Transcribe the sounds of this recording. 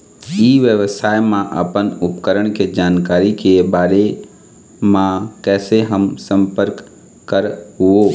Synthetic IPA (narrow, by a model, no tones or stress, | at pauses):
iːʋjəʋsaːjmãʔə̰pənʊpkəɾəɽ̃ked͡ʒaːnkaːɾikebaːɾe | mãkɛːseɦəmsə̃mpəɾkː | əɾɦʊo